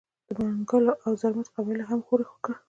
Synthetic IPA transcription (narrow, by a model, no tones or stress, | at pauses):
d̪̥əmaŋɡəloʔawzaɾmat̪qɑbɪjlaɦamxoɾexo̥kə